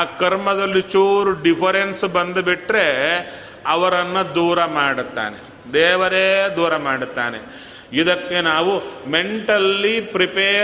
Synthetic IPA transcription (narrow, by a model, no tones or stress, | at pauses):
kɐɾmɐd̪ɐlːit͡ʃuːɾuɖipʰɐɾensbɐnd̪ɐbiʈɾe̞ | ɐʋɐɾɐnːɐd̪uːɾɐmaːɽut̪ːa̰ːnḛ | d̪ɛːʋɐɾeːd̪uːɾɐmaːɽut̪ːaːnḛ | id̪ɐkːenaːʋume̞ɳʈɐlːipɾipeː